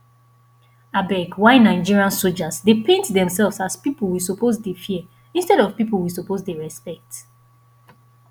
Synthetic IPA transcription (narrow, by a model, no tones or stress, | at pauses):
abɛkwaɪnːaɪd͡ʒiɹiãnsold͡ʒasdepʰẽntdɛ̃msɛlvsaspipolˠwisopʰozdefi | ĩnstɛɾɔv̥pipl̩wisopozdeɹɛspɛk̚t